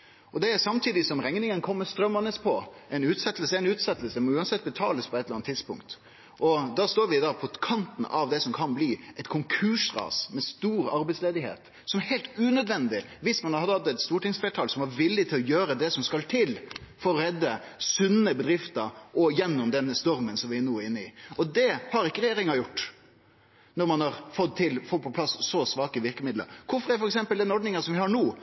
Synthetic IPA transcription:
ɔd̪ɛæsɑmt̪ʰiːd̪ɪsɔmɾɛŋnɪŋənkʰɔmːəst̪ɾœmːənəspʰɔɛɪnʉːt̪sɛt̪ːəl̩səɛɪnʉːt̪sɛt̪ːəlsmɔʉːɑnsɛt̪̚ːbət̪ʰɑ̰ːləspʰɔɛt̪ləɾɑnt̪ʰːɪd̪spʊ̰ŋkt̪ | ʔɔd̪ɑːst̪oːɾʋɪd̪ɑpʰɔkʰɑnt̪n̩ɑʋd̪ɛsɔmkʰɑnbliːɛɪt̪̚kʰʊŋkʰʉʂɾɑ̰ːsmɛst̪uːɾɑ̰ɾbɛɪtsleːd̪ɪhḛːt̪ | sɔmheɪlt̪ʉːnœd̪ʋɛnd̪ɪ | ʋɪsmɑnɑhɑd̪əɑt̪ːɛt̪st̪uːʈɪŋsfeːʈʰɑːlsɔmɑɾʋɪlːɪt̪ʰɪlɔjøːɾəd̪ɛsɔmskɑlt̪ʰɪlfɔɾɔɾɛd̪ːə | sʉnːəbəd̪ɾɪft̪əʔɔjɛnːʊmd̪ɛnːəst̪ɔɾmənsɔmʋɪænuːɪnːəɪɔd̪ɛhɑɾɪkːəɾɛjeːɾɪŋɑjʊʈː | nɔɾmɑnhɑɾfɔt̪̚t̪ʰːɪlfɔpʰɔpʰlɑssɔsʋɑːkəʋɪɾkəmɪd̪lə̰ɾkʰʊɾfɔɾɛfɔɾɛksɛmpəld̪ɛnɔɾɖnɪŋəsɔmʋɪhɑɳuː

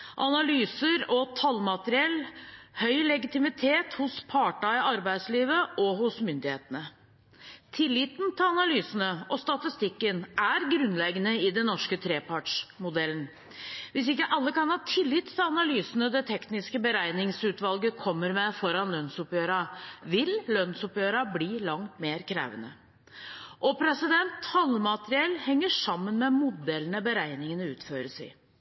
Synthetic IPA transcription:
ʔɑnɑlyːsəɾɔt̪ʰɑlmɑt̪əɾɪɛlːhœʏlɛɡɪt̪ɪmɪt̪ʰeːt̪hʊspʰɑːʈɑɪʔɑɾbæɪd̪sliːʋəʔɔɦʊsmʏnd̪ɪheːt̪ənə | t̪ʰɪlːɪt̪nt̪ʰɪlɑnɑlyːsənəʔɔst̪ɑt̪ɪst̪ɪkːənʔæɾɡɾʉnlɛɡənəɪd̪ɛnːɔʂkət̪ʰɾeːpʰɑʈʂmʊd̪ɛlən | ʋɪsɪkːəʔɑlːəkɑnhɑːt̪ʰɪlːɪt̪ːfɪɑnɑlyːsənəd̪ɛt̪ʰɛknɪskəbəɾæɪnɪŋsʉːt̪ʋɑlɡəkʰɔmːəɾmɛfɔɾɑnlœnsʊpjøːɾɑʋɪllœnsʊpjøːɾɑbliːlɑŋt̪meːɾkʰɾæ̰ːʋənə̰ | ʔɔpʰɾɛsɪd̪ɛnt̪hɑlːmɑt̪əɾɪɛlːhɛŋːəʂɑmːənmɛmʊd̪ɛlənəbəɾæɪnɪŋənəʉːt̪føːɾəsɪ̰ɪ

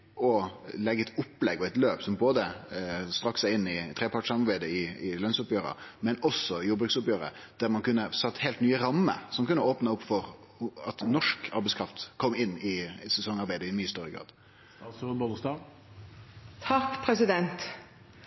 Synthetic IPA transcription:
ɔlɛɡːəɛt̪ʊpːlɛɡɔɛt̪løːpsɔmboːd̪əst̪ɾɑksæɪnːɪt̪ʰɾeːpʰɑʈsɑmɑɾbæɪd̪əɪɪlœnsʊpjøːɾə̰mɛnɔsɔjuːbɾʉksʊpjøːɾə̰d̪̥æɾmɑnkʉnːəsɑt̪ːheɪlt̪nyːəɾɑmːə̰sɔmkʉnːəoːpnɑʊpːfɔɾ | ɑt̪nɔʂkɑɾbɛɪskʰɾɑft̪kʰɔmːɪnːɪsɛsɔŋːɑɾbæɪd̪əɪmyːəst̪œɾəɡɾɑ̰ːd̪ | sɔbɔnst̪ɑː | t̪ʰɑkpʰɾɛsɪd̪ɛnt̪

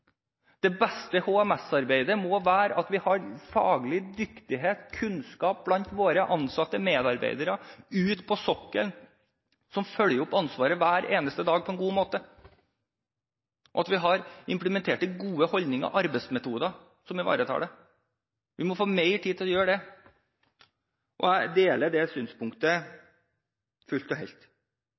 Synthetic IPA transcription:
d̪̥ɛbɛst̪əhoːɛmɛsɑɾbeɪd̪əmɔʋæːɾʔɑt̪ʋɪhɑɾfɑ̰ːɡlɪd̪ʏkt̪ɪɦeːt̪kʰʉnskɑːp̚blɑnt̪ʋoːɾəʔɑnsɑt̪ːəmeːd̪ɑɾbḛɪd̪əɾəʉːt̪pʰɔsɔkːəln | sɔmfœljəɾɔpːɑnsʋɑːɾəʋæːɾʔeːnəst̪əd̪ɑːɡ̚pʰɔɛnɡuːmoːt̪ə | ʔɔɑt̪ʋɪɦɑɾɪmpləmɛnt̪ʰeːʈəɡuːəhɔld̪nɪŋɑ̰ʔɑɾbɛɪsmɛt̪ʰuːd̪ɑ | sɔmʋɪʋɑ̰ːɾət̪ʰɑ̰ːɖɛ | ʋɪmɔfoːmeɪʈʰiːt̪ʰɪlɔjøːɖɛ | ʔɔ̰æɪd̪eːləɖɛsyːnspʊŋkt̪ə | fʉlt̪ɔɦɛ̰lt̪

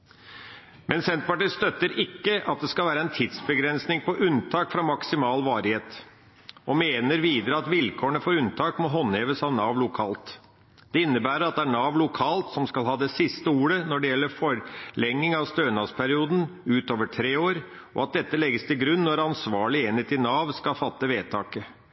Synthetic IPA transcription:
mʔɛnsɛnt̪̚pɑʈiːst̪œt̪ːəɾɪkːəʔɑt̪̚d̪ɛskɑlʋæːɾəɛnt̪ʰɪd̪sbəɡɾɛnsnɪŋpɔʔʉnt̪ʰɑːkfɾɑmɑksɪmɑːlʋɑːɾɪheːt̪ | ɔmeːnəɾʋiːd̪əɾəɑt̪ʋɪlkʰoːəɳəfoːɾʉnt̪ʰɑːkmɔɦɔnheːʋəsɑʋnɑːʋlʊkʰɑ̰ːlt̪ | d̪̥ɛɪnːəbæːɾəɾɑt̪̚d̪ɛæɳɑːʋlʊkʰɑːlt̪sɔmskɑlɦɑːd̪ɛsɪst̪əuːɾənɔɖɛjɛlːəɾfɔɾlɛŋːɪŋɑʋst̪øːnɑspʰæɾɪuːd̪n̩ʉːt̪oːʋəʈʰɾeːoːɾ | ɔ̰ɑt̪̚d̪ɛt̪ːəlɛɡːəst̪ʰɪlɡɾʉnːɔɾɑnsʋɑːɭɪenheːt̪ɪnɑːʋskɑfɑt̪ːəʋeːt̪ʰɑːkə

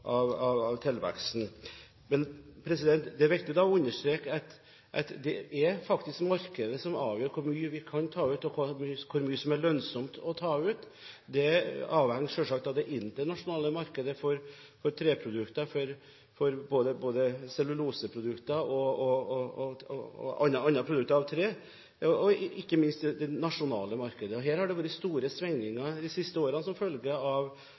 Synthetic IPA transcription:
ʔɑʋɑʋɑʋt̪ʰɪlʋæ̰ksn̩ | mɛnpʰɾɛsɪd̪ɛnt̪d̪ɛʋɛkt̪ɪjʊd̪ɑɔʉnːəʂt̪ɾeːkɑt̪ | ʔɛ̰t̪d̪ɛɛɾfɑkt̪ɪskmɑɾkəd̪əsɔmɑ̰ːʋjøːɾkʰʊɾmyːəʋɪkʰɑnt̪ʰɑːʉːt̪ɔkʰmykʰʊɾmyːəsɔmæɭœnsɔmt̪ɔt̪ʰɑːʉːt̪ | d̪ɛɑːʋhɛŋːʂøːʂɑk̚t̪ɑʋd̪ɛʔɪnt̪əɳɑʂʊnɑːləmɑɾkəd̪əfɔɾ | fɔɾt̪ʰɾeːpʰɾʊd̪ʉkt̪əfɔɾ | fɔɾboːd̪əboːd̪əsɛlːʉluːsəpʰɾʊd̪ʉkt̪ɑɔɔɔɔ̰ | ɑ̰nːɑnɑpʰɾʊd̪ʉk̚t̪əɾɑʋt̪ʰɾeː | ɔɔɪkːəmɪnst̪d̪ɛd̪ɛnɑʂʊnɑ̰ːləmɑɾkəd̪əɔɦæːɾhɑɖɛʋuːɾəst̪uːɾəsʋɛŋnɪŋɑd̪ɪsɪst̪əoːɾənsɔmfœlɡəɑʋ

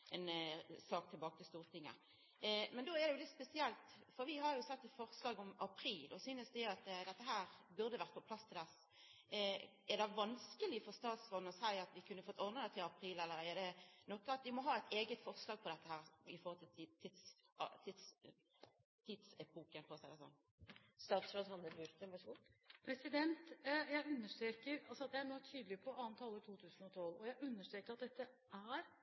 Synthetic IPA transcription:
ʔɛnsɑːkt̪ʰɪlbɑːkət̪ɪlst̪uːʁt̪ʰɪŋːə̰ | mɛnd̪oːɛʁd̪ɛjʊlɪt̪ːspɛsɪɛlt̪fɔɾʋɪɦɑɾjʊsɛt̪ːɛt̪fɔʁslɑːɡʊmɑpʰɾiːlʔɔsyːnəsd̪ɛæʊɑt̪d̪ɛt̪ːəɦæːɾbʉʁd̪əʋæʁt̪əpɔpʰlɑst̪ʰɪld̪ɛs | æʁd̪ɛʋɑnskəlɪfɔʁst̪ɑːt̪sɔnːɔsæɪɑt̪ʋɪkʰʉnːəfɔt̪ːɔʁd̪nəd̪æt̪ʰɪlɑpʰɾiːlɛlːəɾɛd̪ɛnɔkːɑt̪ʋɪmɔɦɑːæt̪ʰeːɡət̪fɔʁslɑːɡ̚pʰɔd̪ɛt̪ːəhæːɾɪfɔhɔlt̪ʰɪlt̪ʰːɪd̪st̪ʰɪd̪s | t̪ʰid̪sɛpʰoːkənkʰɔsæɪd̪ɛsɔ̰nː | st̪ɑːt̪sɾoːd̪hɑnəbʉɾt̪əʋɛʂəɡɔpʰɾɛsɪd̪ɛnt̪jæɪʉnːəʂʈ̪ɾeːkəɾɑlsɔɑd̪ɛænɔt̪ʰyːd̪lɪpʰɔʔɑːnt̪ʰɑːlət̪ʰuːt̪ʰʉːsn̩ɔt̪ʰɔlːɔjæɪʉnːəʂʈtɾeːkəɾɑt̪̚d̪ɛt̪ːə | ʔæɾ

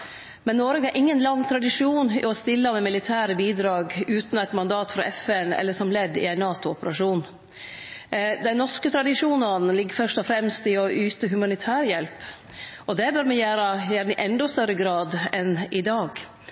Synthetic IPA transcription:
mɛnːoːɾəɡəʔɪŋːənlɑŋːt̪ʰɾɑd̪ɪʂuːnɪ̰ɔst̪ɪlːəmɛmɪlɪt̪ʰæːɾəbiːd̪ɾɑːɡʉːt̪næɪt̪mɑnd̪ɑːt̪fɾɑ̰ʔɛfɛnɛ̰lːəʂɔmlɛd̪ːɪ̰æɪnɑːt̪ʊɔpəɾɑʂuːn | d̪æɪnɔʂkət̪ʰɾɑd̪ɪʂuːnɑn̩lɪɡːəɾfœʂt̪ɔfɾɛmst̪ɪɔʔyːt̪əɦʉmɑnɪt̪ʰæːɾjɛlp | ɔd̪ɛbœɾmɛjæːɾəjæːɾnəʔɛnd̪ɔst̪œɾəɡɾɑːd̪ɛnɪd̪ɑːɡ

